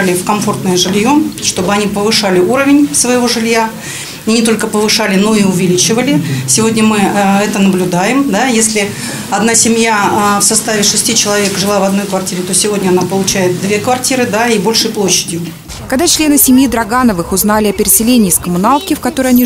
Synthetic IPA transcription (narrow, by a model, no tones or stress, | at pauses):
lʲɪfkɐmfo̞rt̪nəjəʐɨlʲjo̞ʂt̪o̞bɨɐnʲipəvɨʂalʲɪuɾəvʲɪnʲfsvəjɪvo̞ʐɨlʲja | inʲɪt̪o̞lʲkəpəvɨʂalʲɪno̞iʊvʲɪlʲit͡ɕɪvəlʲɪsʲɪvo̞dʲnʲəmɨɛt̪ənəblʲʊd̪ajɪmd̪ajesʲlʲɪ | ɐd̪nasʲɪmʲjafsɐst̪avʲɪʂɨsʲtʲit͡ɕɪlˠɐvʲekʐɨlˠavɐd̪no̞jkvɐrtʲiɾʲɪt̪o̞sʲɪvo̞dʲnʲəɐnapəlˠʊt͡ɕæjɪt̪̚d̪vʲekvɐrtʲiɾɨd̪aibo̞lʲʂɨjplˠo̞ɕːɪdʲjʊ | kɐɡd̪at͡ɕlʲe̞nɨsʲɪmʲjid̪ɾɐɡanəvɨxʊznalʲɪɐpʲɪɾʲɪsʲɪlʲenʲiːskəmʊnalˠkʲɪfkɐt̪o̞ɾəjɐnʲi